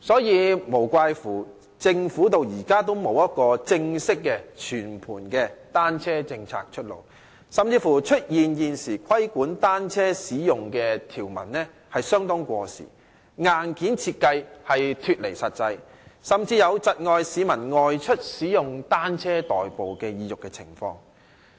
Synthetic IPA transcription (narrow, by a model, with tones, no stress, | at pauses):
sɔː˨˥jiː˨˧mo˨˩wkʷaː˧jfuː˨˩ | t͡sɪ˧ŋfuː˨˥t̪o˨wjiː˨˩kaː˥t̪o˥wmo˨˧wjɐ˥t̚kɔː˧t͡sɪ˧ŋsɪ˥kːɛ˧t͡ʃʰyː˨˩npʰuː˨˩nkɛ˧t̪aː˥nt͡sʰɛː˥t͡sɪ˧ŋt͡sʰa̰ː˧k̚t͡ʃʰɵ˥t̚lo̰˨w | sɐ˨mt͡siː˧fuː˨˩t͡ʃʰɵ˥t̚jiː˨njiː˨nsiː˨˩kʷʰɐ˥jkuː˨˥nt̪aː˥nt͡sʰɛː˥siː˨˥jʊ˨˩ŋkɛː˧t̪ʰiː˨˩wmɐ̰˨˩nnɛː˥ | hɐ˨jsœː˥ŋt̪ɔː˥ŋkʷɔː˧sḭː˨˩ | ŋaː˨nkiː˨˥nt͡sʰiː˧t̚kɐ˧jhɐ˨jt̪ʰyː˨t̚le˨˩jsɐ˨t̚t͡sɐ˧j | sɐ˨mt͡siː˧jɐ˨˧wt͡sɐ˨t̚ŋɔː˧jsiː˨˧mɐ˨˩nŋɔː˧jt͡ʃʰɵ˥t̚siː˨˥jʊ˨ŋt̪aː˥nt͡sʰɛː˥t̪ɔː˨jpo˨wkɛː˧jiː˧jʊ˨kːɛ˧t͡sʰɪ̰˨˩ŋfɔ̰ː˧ŋ